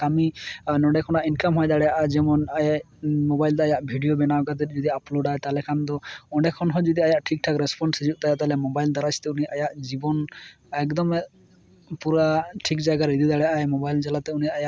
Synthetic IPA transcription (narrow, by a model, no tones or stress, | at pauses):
kaminɔ̃ɖɛkʰɔnaʔinkamɦɔjd̪aɽɛjaʔad͡ʒɛmɔnaja | mɔbajlt̪ɔajaʔbʱiɖijobɛnawkad̪ɛd͡ʒɔd̪iaploɖajt̪alɛkʰand̪ɔɔ̃ɖɛkʰɔnɦɔd͡ʒɔd̪iajaʔʈʰik̚ʈʰakɾɛspɔnsed͡ʒuʔt̪ajat̪alɛmɔbajld̪aɾast̪ɛunijʔajaʔd͡ʒibɔn | ɛkd̪ɔmɛ | puɾaʈʰik̚d͡ʒaɡaɾid̪id̪aɽɛjaʔajmɔbajld͡ʒalat̪ɛunijaʔajaʔ